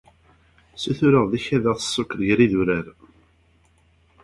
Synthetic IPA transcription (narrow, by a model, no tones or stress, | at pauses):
suθʊɾəʁðiçæðəʁθə̥sˤːʊkːɾjɾiðuɾæɾ